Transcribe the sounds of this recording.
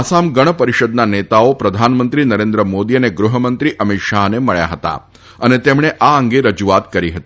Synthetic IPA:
asamɡəɽ̃əpəɾiʃəd̪nanet̪aopɾəd̪ʱanmənt̪ɾinəɾẽnd̪ɾəmod̪iəneɡɾuɦəmənt̪ɾiʔəmit̪ʃaɦneməɭja̰ɦət̪a̰ | ənet̪emɳ̃eʔaəŋɡeɾəd͡ʒuat̪kəɾiɦət̪i

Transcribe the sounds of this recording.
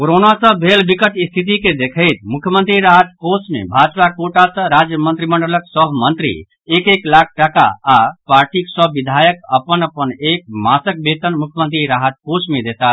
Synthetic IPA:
koɾonasə̃bʱelbikət̪ist̪ʰit̪̬iked̪ekʰəɪt̪mukʰjəmənt̪ɾiɾaɦət̪̚kosmḛbʱad͡ʒpakoʈasə̃ɾad͡ʒjəmənt̪ɾiməɳɖələksəbmənt̪ɾḭ | ekeklakʰʈaka̰ːpaɾʈiksəbʋid̪ʱajəkəpənəpənek̚masək̚bet̪ənmukʰjəmənt̪ɾiɾaɦət̪̚kosmed̪et̪a

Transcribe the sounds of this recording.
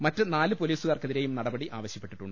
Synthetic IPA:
mɐtːɨnaːlɨpo̞liːsuɣaːrkeðiɾe̞jumnɐɽɐbɐɽiʔaːʋɐɕjɐpːe̞ʈːiʈːuɳːɖɨ

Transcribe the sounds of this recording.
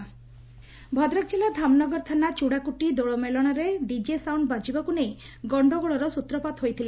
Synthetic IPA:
bʱɔd̪ɾɔk̚d͡ʒelad̪ʱamnɔɡɔɾt̪ʰanat͡ʃuɽakuʈid̪oɭɔmelɔɽ̃aɾeɖid͡ʒesawɳɖbad͡ʒibakunej | ɡɔɳɖɔɡɔɭɔɾɔsut̪ɾɔpat̪ɦojt̪ʰile

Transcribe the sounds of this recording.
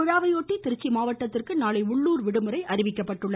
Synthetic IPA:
ʊɻaːʋɐjoːʈːit̪ːɪɾɯt͡ʃːimaːʋɐʈːɐt̪ːɪrkɯnaːlɐɪʊɭːuːɾʋɪɽɯmɯɾɐɪʔɐɾɪʋɪkːɐpːɐʈːɯɭːɐ

